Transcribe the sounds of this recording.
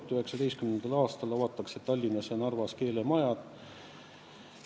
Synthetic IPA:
t̪ːyhe̞ksɑd̪e̞jskymnend̪̥ɑlɑːst̪ɑlɑvɑt̪ːˑɑkset̪ɑlʲːinɑsenɑrvɑske̞ːlemɑjɑd̪̥

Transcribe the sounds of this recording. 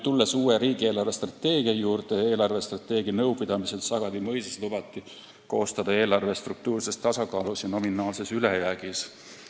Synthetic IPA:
t̪ulːesuːeɾiːɡ̥ie̞ːlɑrve̞st̪rɑt̪ːe̞ːɡ̥iɑjuːrd̪̥e̞e̞ːlɑrve̞st̪rɑt̪ːˑe̞ːɡ̥iɑnɤwpid̪̥ɑmise̞lsɑɡ̥ɑd̪imɤjseslub̥ɑt̪ːˑi | ko̞̰ːst̪ɑd̪ɑe̞ːlɑrve̞st̪ruk̚t̪uːrse̞st̪ɑsɑkɑːlusjɑno̞minɑːlse̞sylejæɡ̥is

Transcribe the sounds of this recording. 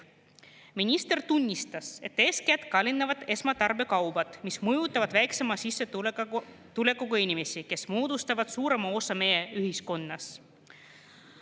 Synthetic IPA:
minʲist̪e̞rt̪unʲːist̪ɑse̞t̪ːe̞ːskæt̪kɑlʲinːɑvɑd̪e̞smɑt̪ɑrbe̞kɑwb̥ɑt̪ˑmismujut̪ːˑɑvɑd̪̥væjkse̞mɑsisːe̞ | t̪ule̞kːˑukɑinʲime̞sike̞smoːd̪ust̪ɑvɑd̪̥suːɾe̞mɑo̞sɑme̞ːeyhisko̞nːɑs

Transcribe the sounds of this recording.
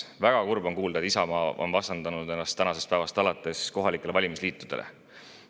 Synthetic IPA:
væɡ̥ɑkurbo̞nkuːld̪ɑet̪isɑmɑːʔo̞̰nvɑst̪ɑnd̪̥ɑnud̪e̞nːɑst̪ːænɑse̞st̪̚pæevɑst̪ɑlɑt̪ːˑe̞sko̞ɦɑlikːˑe̞le̞vɑlʲimisliːt̪ˑːud̪̥e̞lḛ

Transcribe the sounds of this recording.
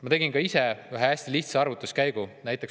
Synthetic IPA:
mɑt̪e̞ɡinkɑisevæɦeæsʲt̪iliht̪seɑrvut̪ːˑuskæjɡ̥unæjt̪ːˑeks

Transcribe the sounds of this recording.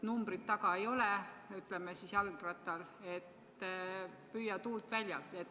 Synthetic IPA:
numb̥rit̪t̪ːɑɡ̥ɑejo̞lɛyt̪ˑlemesisjɑlɡrɑt̪ːˑɑle̞t̪ː | pyːjːɑt̪uːlt̪vælʲjɑ̰lt̪net̪ː

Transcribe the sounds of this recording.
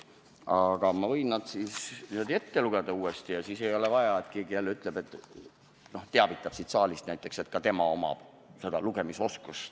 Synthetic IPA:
ɑɡ̥ɑmɑvɤjnːɑd̪̥siːsnyød̪e̞t̪ːe̞luɡ̥ed̪̥ɑuːest̪ijɑsiːse̞jo̞le̞vɑjɑet̪keːɡiælːyt̪ˑle̞b̥e̞t̪ːˑ | no̞ht̪eɑvit̪ˑːɑb̥sit̪sɑːlist̪næjt̪ˑːe̞kset̪̚ˑkɑt̪e̞mɑo̞mɑ̰b̥ | se̞d̪̥ɑluɡe̞miso̞skus

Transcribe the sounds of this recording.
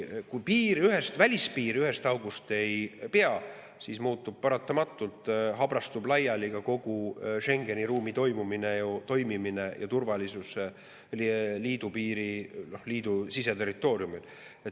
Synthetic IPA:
kujpiːɾiyɦe̞st̪vælʲispiːɾyɦe̞st̪ɑwɡ̥ust̪e̞jpeɑ | siːsmuːt̪ːˑub̥̚pɑɾɑt̪ːˑɑmɑt̪ːˑult̪ˑɦɑbrɑst̪ublɑjɑliɡ̥ɑko̞ɡ̥uʃe̞ŋɡ̥e̞niɾuːmit̪o̞jmuminejot̪o̞jmimine̞jɑ̰t̪urvɑlisuse | liːd̪upiːɾinohliːd̪̥usise̞t̪erːit̪ːˑo̞ːɾjumil | e

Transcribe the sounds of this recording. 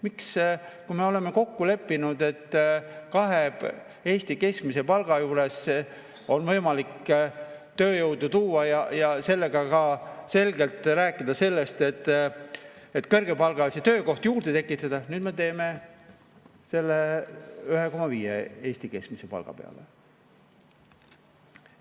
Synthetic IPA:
mikskuime̞o̞le̞me̞ko̞kːule̞pːinud̪e̞t̪ːkɑɦe | e̞ːsʲt̪ike̞skmise̞pɑlɡ̥ɑjuːɾe̞s | o̞nvɤjmɑlik | t̪ø̞ːjɤwd̪ut̪uːɑjɑjɑse̞lːe̞ɡ̥ɑkɑse̞lɡe̞lt̪ˑræːkːˑid̪̥ɑse̞lːe̞st̪e̞t̪ː | et̪ːˑkɤrɡ̥e̞pɑlɡ̥ɑliset̪ø̞ːko̞ht̪juːrd̪̥et̪e̞kːˑit̪ːˑɑd̪̥ɑnyːd̪̥me̞t̪e̞ːme̞ | se̞lːeyhe̞ko̞mːɑviːjḛe̞ːsʲt̪ike̞skmisepɑ̰lɡ̥ɑ̰pe̞̰ɑ̰lḛ

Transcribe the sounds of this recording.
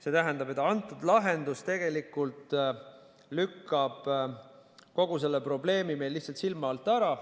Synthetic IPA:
se̞t̪æɦænd̪ɑbe̞t̪ːˑɑnt̪ːˑud̪lɑɦe̞nd̪ust̪e̞ɡ̥e̞likːˑult̪ˑ | lykːɑb̥ | ko̞ɡ̥use̞lːepro̞ble̞ːmime̞jlːihtsɑlt̪silmɑɑlt̪ːˑæɾɑ

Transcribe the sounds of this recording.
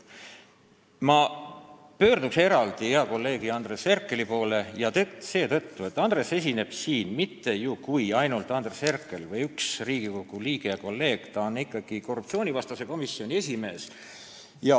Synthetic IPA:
mɑ | pø̞ːrd̪ukse̞ɾɑld̪̥iheɑko̞lːe̞ːɡ̥iɑnd̪̥re̞se̞rkːˑe̞lipo̞ːle̞jɑt̪se̞ːt̪ɤt̪ːue̞t̪ːˑɑnd̪re̞se̞s̬ʲine̞b̥siːnmit̪ːe̞jukujɑjnult̪ˑɑnd̪̥rese̞rkːe̞lvɤjyksriːɡ̥iko̞ɡ̥uliːɡ̥eɑko̞lːe̞ːɡ̥t̪ɑonikˑːɑɡ̥iko̞rːup̚tsio̞ːnʲivɑst̪ɑse̞ko̞misːio̞nʲiesʲime̞ːs | jɑ

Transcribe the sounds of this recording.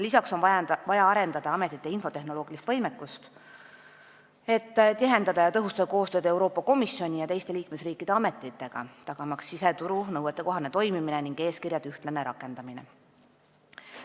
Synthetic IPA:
lisɑkso̞nvɑvɑjɑɑɾe̞nd̪ɑd̪̥ɑɑme̞t̪ːˑit̪ːˑe̞info̞t̪e̞ɦno̞lo̞ːɡ̥ilist̪vɤjmekːˑust̪ | e̞t̪ːt̪iɦe̞nd̪ɑd̪ɑjɑt̪ɤɦust̪ɑd̥̪ɑko̞ːst̪øːd̪e̞wɾo̞ːpːˑɑko̞misːjo̞nʲijɑt̪e̞jst̪e̞liːkme̞sriːkːˑid̪̥e̞ɑme̞t̪ːˑit̪ːˑe̞ɡ̥ɑ̰t̪ɑɡ̥ɑmɑksːiset̪uɾunɤwet̪ːe̞ko̞ɦɑnet̪o̞jmimineniŋɡ̥e̞ːskirjɑd̪yht̪leneɾɑkːˑe̞nd̪ɑminḛ

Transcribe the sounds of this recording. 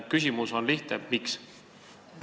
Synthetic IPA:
t̪̚kys̬ʲimuso̞nliht̪emiks

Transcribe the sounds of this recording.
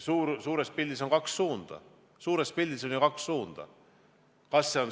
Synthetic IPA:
suːɾsuːɾe̞spilʲːiso̞nkɑksːuːnd̪̥ɑ̰ | suːɾe̞spilʲːiso̞njɑkɑksːuːnd̪̥ɑ̰ | kɑsːe̞o̞n

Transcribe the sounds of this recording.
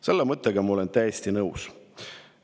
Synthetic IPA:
se̞lːemɤt̪ˑːeɡɑmɑo̞lent̪æjest̪inɤws

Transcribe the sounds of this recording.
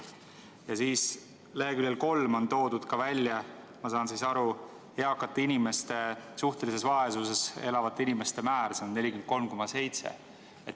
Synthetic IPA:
jɑsiːs | le̞ɦekylʲːelko̞lmo̞nt̪o̞ːd̪̥ud̪̥kɑvælʲjɑ | mɑsɑːnsiːsɑɾu | eɑkːˑɑt̪ːˑeinime̞st̪e̞suht̪e̞lise̞svɑe̞suse̞se̞lɑvɑt̪ːeinime̞st̪e̞mæːɾseonːe̞lʲikyment̪ko̞lmko̞mɑse̞jt̪sḛ | et̪ːˑ

